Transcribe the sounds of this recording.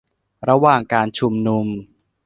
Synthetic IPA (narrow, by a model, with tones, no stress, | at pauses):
ɾa˧waː˨˩ŋkaː˧nt͡ɕʰu˧mnu˧m